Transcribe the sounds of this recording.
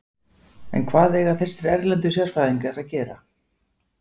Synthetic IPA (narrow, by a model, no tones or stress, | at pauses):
ɛ̰nkʰvaːðɛːɣaθɛst̪ɪɾɛɾlɛnt̪ʏsjɛɾ̥faːðiŋkaɾaðcɛːɾa̰